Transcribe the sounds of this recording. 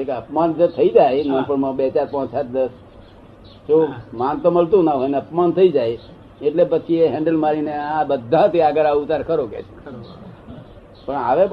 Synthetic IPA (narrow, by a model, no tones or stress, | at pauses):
ekeəpmand͡ʒet̪ʰəid͡ʒajnə̃mpəɾmãbet͡ʃaɾpãt͡ʃsʰat̪̚ʰd̪əs | t͡ʃomant̪oməlt̪ũnaɦojneəpmant̪ʰəid͡ʒaj | eʈlepət͡ʃʰieɦɛ̃ɳɖəlmaɾineãbəd̪ʱːãt̪ʰiaɡəɾaut̪aɾkəɾokḛt͡ʃʰe̥ | pəɳa̰ʋe